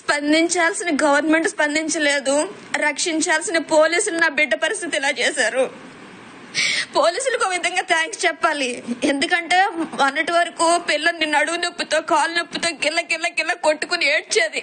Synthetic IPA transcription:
spɐnd̪iɲt͡ʃaːlsinɐɡɐʋɐɾnmeɳʈspɐnd̪iɲt͡ʃɐle̞ːd̪u | ɾɐkʂiɲt͡ʃaːlsinɐpo̞ːliːsulunaːbiɖːɐpɐɾist̪ʰit̪iɛlaːt͡ʃɛːsaːɾu | po̞ːliːsulukoːʋid̪ʱɐŋɡaːt̪ʰaːŋkst͡ʃɛpːaːlie̞nd̪ukɐɳʈe̞ːmɐnːɐʈiʋɐɾɐkuːpilːɐninːɐɽuɡunepːut̪oːkaːlunepːut̪oːkilːɐkilːɐkilːɐkoʈːukunieːʈ̚t͡ʃe̞ːd̪i

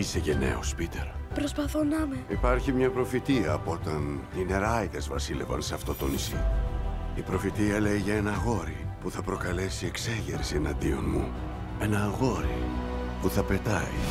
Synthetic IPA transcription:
isecene̞̰ospit̪eɾpɾospɐθonɐmeipɐɾçimɲɐpɾo̞fit̪iɐːpo̞t̪ɐnine̞ɾɐite̞zvɐsile̞vɐ̰nseɐft̪o̞t̪o̞nisi | ipɾo̞fit̪iɐle̞iʝɐe̞nɐɣo̞ɾipuθɐpɾo̞kɐle̞sie̞kse̞ʝḛɾsienɐnd̪io̞̰nmṵ | e̞nɐɣo̞ɾḭ | puθɐpe̞t̪ɐi

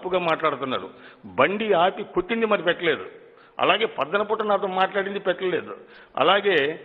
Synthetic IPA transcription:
puɡɐːmaːʈlaːɽut̪unːa̰ːɾṵbɐɳɖiaːpikoʈːind̪imɐɾipɛʈːɐle̞ːd̪ṵ | ɐ̰laːɡe̞ːpɐd̪ːɐnɐp̬uːʈːɐnaːt̪ɐmaːʈlaːɽind̪ipɛʈːɐle̞ːd̪ṵɐ̰laːɡeː

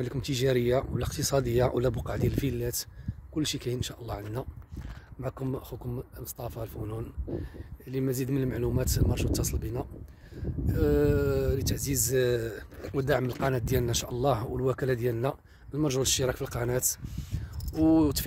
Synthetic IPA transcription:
ælikʊmt̪əʒæɾəjːawlːæqt̪əsˤɑd̪əjːawlæbuqɑʕd̪jæləlfilːæt̪kʊlːʃikæjnʃæʔəlˤːɑʕənd̪næ | mʕakʊmxukʊmməsˤt̪ˤɑfɑlfunun | lːimæzid̪mənəlmaʕlumæt̪lmɑɾˤʒuwt̪ːɑsˤəlbinæ | lit̪əʕziz | wəd̪aʕməlqɑnæt̪̚d̪jælnænʃæʔəlˤːɑhwəlwækælæd̪jælnæ | lmɑɾˤʒuwləʃːiɾˤɑkfilqɑnæt̪ | wt̪f

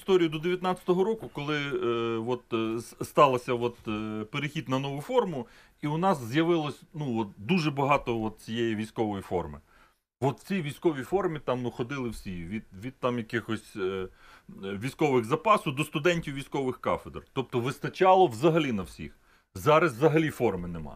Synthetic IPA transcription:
st̪ɔɾʲijʊd̪ɔd̪eʋjɐt̪nɑt͡sʲɐ̥t̪ɔɦɔɾɔkʊkɔlˠɪʋɔt̪st̪ɑlˠɐsʲɐʋɔt̪peɾɪxʲid̪nɐnɔʋʊfɔrmʊ | iʊnɑzːjɐʋɪlˠɔsʲnuɔt̪̚d̪uʒɛbɐɦɑt̪ɔɔt̪̚t͡sʲijejiʋʲijsʲkɔʋɔjifɔ̰rmɪ̰ | ʋɔt̪t͡sʲiʋʲijsʲkɔʋʲifɔrmʲit̪ɑmnuxɔd̪ɪlˠɪwsʲiʋʲid̪ʋʲid̪̚t̪ɑmjɐkɪxɔsʲ | ʋʲijsʲkɔʋɪɣzɐpɑsʊwd̪ɔst̪ʊd̪ɛnʲtʲiwʋʲijsʲkɔʋɪxkɑ̰fed̪rt̪ɔp̚t̪ɔʋɪst̪ɐt͡ʃɑlˠɔwzɐɦɐlʲinɐwsʲḭx | zɑɾɐzzɐɦɐlʲifɔrmɪnemɑ̰

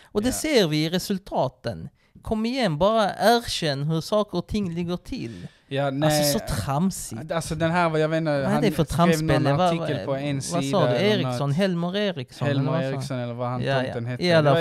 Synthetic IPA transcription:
ɔd̪ɛseːɾvɪɪɾɛsɵlt̪ʰɑːt̪ən | kʰɔmːɪjɛnːbɑːɾaʔæːɾʃɛnːɦɵɾsɑːkəɾɔt̪ʰɪŋːlɪɡːəʈʰɪl | jnsɔsɔt̪ʰɾamsɪ̰alsɔd̪ɛnɦæːɾjɑveːnɛæfɔt̪ʰɾaeːlːaəlʰɔɛnsvasɑːd̪eːɾɪksɔnɦɛlmʊɾeːɾɪksɔɛlmɪsɔnɛlːəɾvahanjaənhɛɛlːa

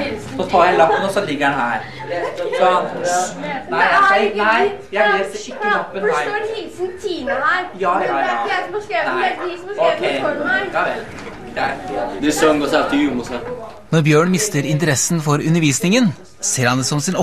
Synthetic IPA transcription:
sɔt̪ʰɑːɾhɛləɑpːənɔsɔlɪɡːəɾɑnɦæːɾ | sɔ | nanæɪjæleːsɪkːləɑpːənɪt̪ʰiːæjɑːsmesekʰɛɪɔjɑe | d̪æd̪ɛsɔŋɡɔsæɑt̪ːɪjuməsɑ | nɔɾbjøːɳmɪst̪əɾɪnt̪əɾɛsːn̩fɔɾʉnːəɾʋiːsnɪŋən | seːɾhɑnd̪əsɔmsɪnɔ

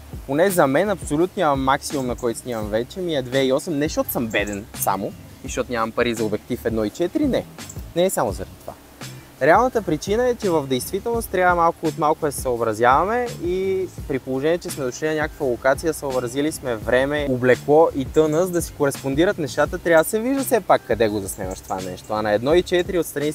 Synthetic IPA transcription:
ponɛzɐmɛnɐpsolʲut̪oɲʲamɐmːaksimumnɐkɔjt̪snʲimɐmvɛt͡ʃɛmiɛd̪vɛiɔsɛmnɛʃt̪ɔt̪ʊ̥səmbɛd̪ɛnsa̰mʊ | iʃt̪ɔt̪ʊnʲamɐmpɐɾizɐobɛk̚t̪ifɛd̪nɔit͡ʃɛt̪ɾinɛnɛːsamʊzɐ̰ɾɛd̪it̪ova̰ | ɾɛalˠnət̪əpɾit͡ʃinəɛt͡ʃɛvəvd̪ɛjst̪vit̪ɛlˠnost̪ːɾʲjavɐmalˠkʊot̪malˠkʊd̪ɐsɛ̥səobɾɐzʲjavɐmɛipɾipolˠoʒɛniɛt͡ʃɛsmɛd̪ʊʃlinɐnʲakə̥kvɐlˠokat̪sijəsəobɾɐzilismɛvɾɛmɛoblɛklˠɔʔit̪ɤnəzd̪ɐsi̥koɾɛspond̪iɾət̪nɛʃt̪at̪ət̪ɾʲjavəsɛviʒd̪əsɛpakːɐd̪ɛɡozɐsnɛmɐ̰ʃt̪ova̰nɛʃt̪oɐnɐɛd̪nɔit͡ʃɛt̪iɾiot̪st̪ɾɐni

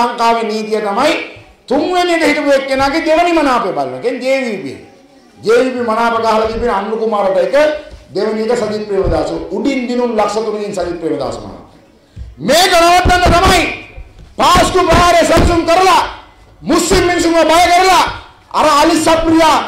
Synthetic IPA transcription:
ɐŋkaːʋiniːt̪ijɐt̪ɐmɐj | t̪umʋenik̪ɐɦiʈupjek̪ːenaːkid̪eʋɐnimɐnaːpebaːɾinɐ̰kend̪eːʋiːpiḛ | d͡ʒ̪eːʋipimɐnaːpɐkaːɦɐlɐɡipinɐnɾukumaːɾɐʈɐjkɐd̪eʋɐnijek̪ɐsɐd̪it̪̚pɾeːʋɐd̪aːsuuɖind̪inunlɐksɐt̪uɾid̪insɐd̪it̪̚pɾeːʋɐd̪a̰ːsṵmɐ̰na̰ː | meːkɐɽɐʋɐt̪ːɐnd̪ɐnɐmɐj | paːskupɾɐjaːɾesɐlsumkɐɾɐla | muslimminsumɡɐbɐjɐkɐɾɐla | ɐ̰ɾɐɐlisɐpɾija

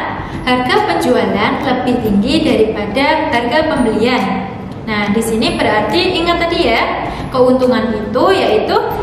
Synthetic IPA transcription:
harɡapəɲd͡ʒualanləbɪht̪iŋɡidaɾipadaharɡapəmbəlianː | ahdisinibəɾɦart̪iʔiŋat̪ːadija | kəunt̪uŋanit̪ujait̪u

